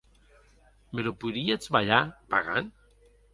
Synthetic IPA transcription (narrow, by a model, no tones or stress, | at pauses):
melopuðiet͡sβaʎapaɣa̰n